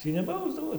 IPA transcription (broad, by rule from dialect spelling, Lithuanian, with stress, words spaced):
ˈtʲiː nʲɛˈbɐʊzdɐʋoː